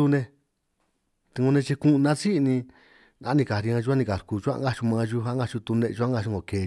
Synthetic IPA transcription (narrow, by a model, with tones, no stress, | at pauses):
u˧nẽ˧ | t̪i˧ɡũ˧nẽ˧t͡ʃi˧kũ˦˧nã˦si˦˧nĩ˧ | nã̰˧˦nĩ˧ka˨ɾi˧ã˧ʒu˧˦a˦nĩ˧ka˨ɾku˧˨ʒu˦a̰˧˦ɡa˦t͡ʃu˧mã˧ʒu˦ɦa˦ɡa˧t͡ʃu˧t̪u˧nẽ˧u˧˦a˦ŋɡa˧ʃu˧ŋɡo˨ke˨